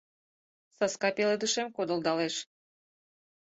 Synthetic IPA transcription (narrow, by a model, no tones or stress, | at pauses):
sɑskɑpeled̪ɨʃemkod̪əld̪ɑleʃ